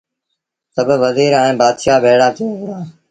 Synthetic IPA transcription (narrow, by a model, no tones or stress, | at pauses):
səbʋəziːɾɛ̃ːbaːd̪ʃaːbeːɽaːt̪ʰiːaː